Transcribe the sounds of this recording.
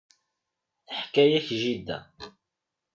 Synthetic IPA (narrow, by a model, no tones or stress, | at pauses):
θəħkæjæçʒid̪ːæ̰